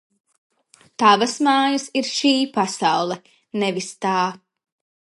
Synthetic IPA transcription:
t̪avɐsmaːjasiɾʃiːpasawlˠɛ | nɛvist̪aː

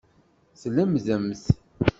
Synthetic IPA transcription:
sləmðəmθ

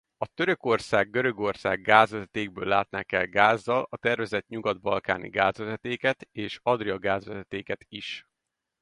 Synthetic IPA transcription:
ɒt̪øɾøko̞rsaːɡɡø̞ɾø̞ɡo̞rsaːɡːaːzvʋɛzɛt̪eːɡ̚bøːlːaːt̪̚naːkɛ̰lɡaːzːɒlɒt̪ɛrvɛzɛt̪ɲuɡɒd̪̚bɒlka̰ːnḭɡaːzvɛzɛt̪eːkɛt̪eːʃɒd̪riɒɡaːzʋɛzɛt̪eːkɛt̪iʃ

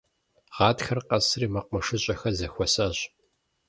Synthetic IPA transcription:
ʁɑːtxɐrqɐsriːmɐqʷmɐʂɨɕʼɐxɐzɐxʷɔsɐːɕ

